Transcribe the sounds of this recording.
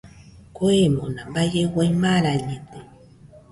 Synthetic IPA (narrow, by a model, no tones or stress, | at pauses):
koemonambajewejmaɾaʎit̪e